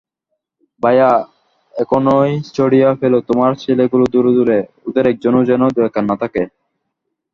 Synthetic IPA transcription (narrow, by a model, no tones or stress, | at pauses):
baja | ekonojst͡ɕoɽijafelot̪omaɾt͡ɕʰeleɡulod̪uɾd̪uɾe | ud̪eɾɛk̚d͡ʑonod͡ʑɛnod̪uɛkʰanːat̪ʰake